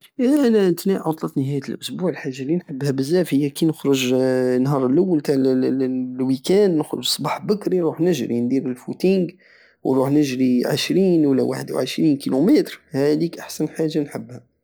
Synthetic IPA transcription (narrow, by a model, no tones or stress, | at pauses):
æʔænæənt̪niʕot̪ˤlət̪nəɦæjət̪əlʔʊsbuʕəlħaʒːalːinħəbːhæbəzːæfhəjːækinəxɾʊʒnɦɑɾˤəlʔawːəlt̪aʕl | wikænːəxɾʊ̰ʒsˤːbɑħbəkɾiɾˤuħnəʒɾind̪iɾəlfut̪iŋɡ | wɾˤuħnəʒɾiʕə̰ʃɾiːnwəlːæwaħəd̪wʕəʃɾinkilumet̪ɾhæd̪ikʔaħsænħaʒːanħəbhæ